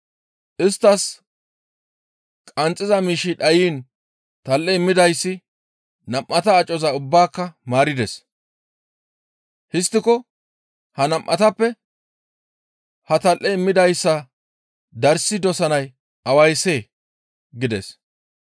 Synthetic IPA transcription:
ʔɪst̪ːɐs | kʼɐnt͡sʼːɪzɐmiːʃiᶑɐjiːn | t̪ɐlʔɛɪmːɪd̪ɐjsːɪ | nɐmʔɐt̪ɐːt͡ʃʼːɔzɐʊbːaːkːɐmaːɾɪd̪ɛs | hɪst̪ːɪkɔ | hɐnɐmʔɐt̪ɐpːɛ | hɐt̪ɐlʔɛɪmːɪd̪ɐjsːɐ | d̪ɐɾsɪd̪ɔsɐnɐj | ʔɐwɐjse̞ː | ɡɪd̪ɛs

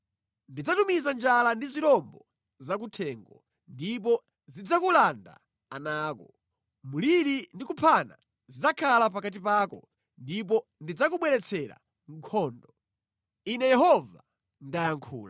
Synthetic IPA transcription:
ndid͡zatumizand͡ʒalandiziɾɔmbɔ | zak̬utʰɛːŋɡɔ̰ | ndipɔ | zid͡zakulanda̰ | anaːkɔ | muliɾindikupʰana̰ | zid͡zakʰalap̬akat̬ipaːkɔ̰ | ndip̬ɔndid͡zakuɓwɛɾɛt͡sʰɛɾa̰ | ŋ̩kʰɔːndɔ | inɛjɛɦɔva | ndajaŋkʰṵːla

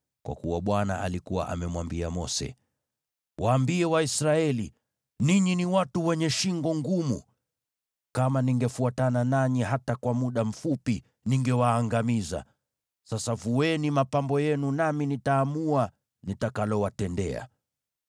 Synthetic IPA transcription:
kwa̰kuwaɓwana̰a̰likuwa̰ʔamɛmwambia̰mɔ̰sɛ̰ | wʔaːmbiɛwaisɾaɛlḭ | niɲiniwatuwɛɲɛʃiŋɡɔŋɡumṵ | kamaniŋɡɛfuatananaɲiɦatakwamuɗam̩fupi | niŋɡɛwaːŋɡamiza̰ | sasavuwɛnimapambɔjɛnunaminitaːmua | nitakalɔwatɛndɛ̰a̰

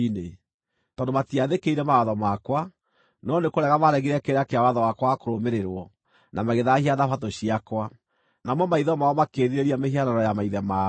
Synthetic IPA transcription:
ine | tɔːdomatiaðekeiɾɛmawaðɔmakwa | nɔnekoɾɛɣamaɾɛɣiɾɛkeɾakeawaðɔwakwaakoɾomeɾeɾwɔ | nʔamaɣeðahiaðafatoɕiakwa | namɔmaiðɔmaɔmakeːðiɾeɾiameɦiananɔjamaiðɛma

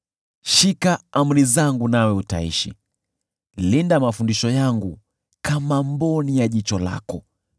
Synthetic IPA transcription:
ʃikaam̩ɾizaŋɡunawɛuta̰ḭʃḭ | lindamafundiʃɔjaŋɡu | kamambɔnijaʄit͡ʃɔla̰kɔ

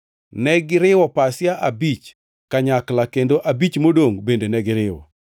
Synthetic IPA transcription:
nɛɡɪɾɪwɔpasjaʔabit͡ʃ | kaɲaklakendoʔabit͡ʃmodoŋbendenɛɡɪɾɪwɔ̰

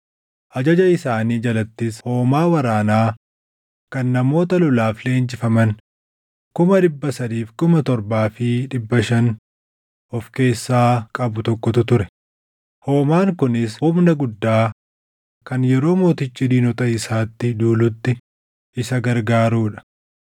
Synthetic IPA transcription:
ʔɐd͡ʒɐd͡ʒɐɪsaːniːd͡ʒɐlɐt̪ːɪsho̞ːmaːwɐɾaːnaː | kɐnːɐmo̞ːt̪ɐlʊlaːfle̞ːnt͡ʃɪfɐmɐn | kʊmɐᶑɪbːɐsɐd̪iːfkʊmɐt̪ɔɾbaːfɪᶑɪbːɐʃɐn | ʔɔfke̞ːsːaːkʼɐbʊt̪ɔkːɔt̪ʊt̪ʊɾɛ̥ | ho̞ːmaːŋkʊnɪshʊmnɐɡʊd̪ːaː | kɐnjɛɾo̞ːmo̞ːt̪ɪt͡ʃːid̪iːnʊt̪ɐɪsaːt̪ːɪd̪uːlʊt̪ːɪ | ʔɪsɐɡɐɾɡaːɾuːᶑɐ̥

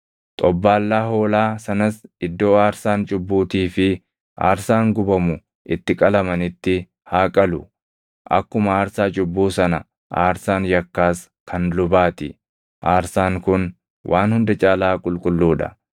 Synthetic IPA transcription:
t̪ʼɔbːaːlːaːɦoːlaːsɐnɐsɪd̪ːo̞ːaːɾsaːnt͡ʃʼʊbːuːt̪iːfɪ | ʔa̰ːɾsaːŋɡʊbɐmʊ | ʔɪt̪ːɪkʼɐlɐmɐnɪt̪ːɪ | haːkʼɐlʊ | ʔɐ̰kːʊmɐaːɾsaːt͡ʃʼʊbːuːsɐnɐ | ʔaːɾsaːnjɐkːaːs | kʰɐnlʊbaːt̪ɪ | ʔaːɾsaːŋkʊn | wʔaːnhʊnd̪ɐt͡ʃʼaːlaːkʼʊlkʼʊlːuːᶑɐ̰

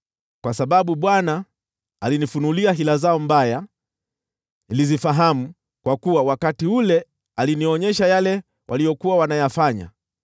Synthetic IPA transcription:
kwasaɓaɓuɓwanaː | linifunuliaɦilazaɔmbaja | nilizifaɦamu | kwakuwawakatiulɛ | aliniɔɲɛʃajalɛ | wʔalijɔkuwawanajafaɲa̰

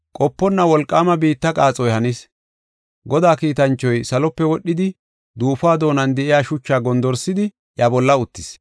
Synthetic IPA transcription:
kʼɔpːɔnːɐwɔlkʼːaːmɐbiːt̪ːɐkʼaːt͡sʼɔjhɐniːs | ɡɔd̪aːkiːt̪ɐnt͡ʃːɔjsɐlɔpːɛwɔɗːɪd̪ɪ | d̪uːfaːd̪o̞ːnɐnd̪ɛʔɪjaːʃʊt͡ʃːaːɡɔnd̪ɔɾsɪd̪ɪ | jabɔlːɐʊt̪ːɪs

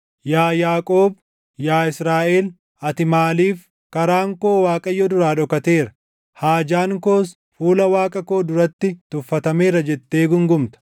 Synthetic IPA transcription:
jaːjaːkʼoːb | jaːɪsɾaːʔeːl | ɐt̪ɪmaːliːf | kɐɾaːŋko̞ːwaːkʼɐjːɔd̪ʊɾaːᶑɔkɐt̪eːɾɐ̥ | haːd͡ʒaːŋko̞ːs | fuːlɐwaːkʼɐko̞ːd̪ʊɾɐt̪ːɪt̪ʊfːɐt̪ɐmeːɾɐd͡ʒɛt̪ːe̞ːɡʊŋɡʊmt̪ɐ̥

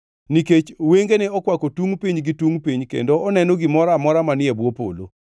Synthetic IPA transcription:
niket͡ʃweŋɡeneɔkwakotuŋpiɲɡituŋpiɲkḛndoʔɔnɛnoɡɪmɔɾamɔɾamanɪɛbwopo̰lo̰

